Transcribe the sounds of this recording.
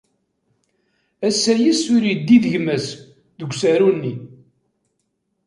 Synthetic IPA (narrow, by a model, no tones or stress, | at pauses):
æsːæjisʊɾid̪ːiðəʝmæs | ðəɡʷsæɾunːi